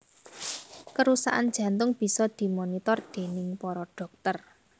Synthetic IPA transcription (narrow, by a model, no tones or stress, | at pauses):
kəɾusaʔa̰nd̥d͡ʒ̥ä̤nt̪ʊŋb̥i̤sɔd̪̥i̤monit̪ɔrd̪̥e̤nɪŋpɔɾɔɖ̥ɔ̤k̚t̪ər